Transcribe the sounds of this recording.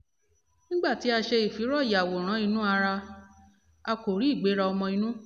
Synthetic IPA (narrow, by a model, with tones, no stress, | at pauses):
nĩ˦ɡ͡ba˦˨ti˨˦a˧ʃe˧i˨fi˨˦ɾɔ˦˨ja˨wo˨ɾ̃ã˨˦i˧nũ˦a˧ɾa˧ | a˧ko˨ɾi˨˦i˦˨ɡ͡be˨˦ɾa˧ɔ˧mɔ̃˧i˧nũ˦